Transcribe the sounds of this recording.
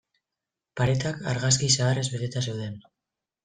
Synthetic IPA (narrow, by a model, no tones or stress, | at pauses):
paɾet̪aka̰ɾɣaskisaːre̞zβe̞t̪e̞t̪ase̞wðe̞n